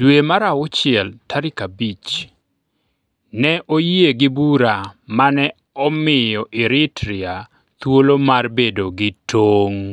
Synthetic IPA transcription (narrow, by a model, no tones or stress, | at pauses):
d̥wemaɾaʊt͡ʃɪɛltaɾɪkabit͡ʃ | nɛʔojeɡɪbuɾamanɛ | ɔmɪjɔʔɪɾɪtɾɪa | t̪wolomarbedoɡɪtʰoŋ